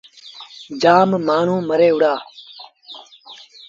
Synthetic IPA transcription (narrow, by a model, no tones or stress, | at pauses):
d͡ʒaːmmaːɳ̤ũːməɾeːʊɽaː